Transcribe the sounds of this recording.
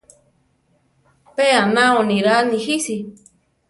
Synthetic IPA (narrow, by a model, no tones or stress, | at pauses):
peanãonĩɾanĩhisi